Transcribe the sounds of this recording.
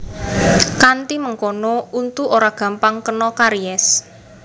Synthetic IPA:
kant̪iməŋkonɔunt̪uʔoɾaɡ̥ä̤mpaŋkənɔkaɾiɛs

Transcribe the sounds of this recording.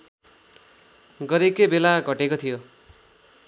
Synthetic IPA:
ɡʌɾekebelaɡʱʌʈekot̪ʰijo

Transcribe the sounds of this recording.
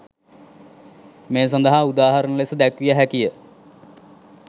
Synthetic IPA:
meːs̬and̪əɦaud̪aːɦaɾənəlesəd̪ækʋijəɦækijə

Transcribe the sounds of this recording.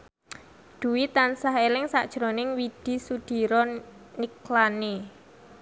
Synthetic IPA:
d̪̥ṳwit̪ansaɦelɪŋsaʔd̥ʒ̥ɾonɪŋwid̪̥i̤sud̪̥i̤ɾɔniklane

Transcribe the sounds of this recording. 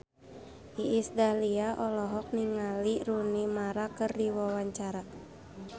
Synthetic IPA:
ʔiːsdaliaʔɔlɔɦɔk̚niŋalirunimaɾakɨrdiwawaɲt͡ʃaɾa

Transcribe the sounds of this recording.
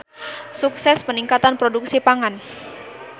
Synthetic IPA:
suksɛspəniŋkat̪anpɾoduksipaŋan

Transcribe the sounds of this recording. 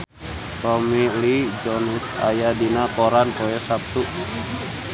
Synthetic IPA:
rɔmilid͡ʒɔnɛsa̰jadinapoɾanpɔjɛsap̚t̪uʔ

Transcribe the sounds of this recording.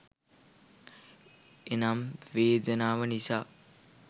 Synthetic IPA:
enamʋeːd̪ənaːʋənisaː

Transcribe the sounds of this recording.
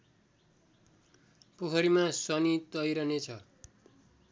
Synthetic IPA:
pukʰʌɾimasʌnit̪ʌjɾʌnet͡sʰʌ

